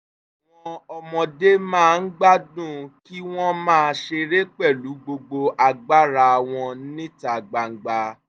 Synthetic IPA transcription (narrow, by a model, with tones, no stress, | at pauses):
a˨w̃ɔ̃˧ɔ˧mɔ̃˧de˦mãː˦˨n̩˦ɡ͡ba˦dũ˦˨ki˦w̃ɔ̃˦mãː˦˧ʃe˧ɾe˦k͡pɛ˦˨lu˨˦ɡ͡bo˧ɡ͡bo˧ʔa˨ɡ͡ba˦ɾa˧˨w̃ɔ̃˧˦nĩ˦ta˨ɡ͡ba˨ŋ̩˨ɡ͡ba˧